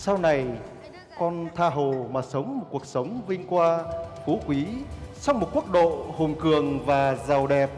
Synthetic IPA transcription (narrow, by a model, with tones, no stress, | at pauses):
sa˧wna˨˩j | kɔ˧nt̪ʰaː˧ɦo˨˩maː˨˩sə˨˦wŋ͡mmo˨˩t̚ku˨˩ək̚sə˨˦wŋ͡mvï˧ŋ̟kwaː˧fu˨˦kwi˨˦sa˧wŋ͡mmo˨˩t̚ku˦˥ək̚ɗo̰˧˨ho˨˩nkɨ˨˩əŋvaː˨˩zaː˨˩wɗɛ˨˩p̚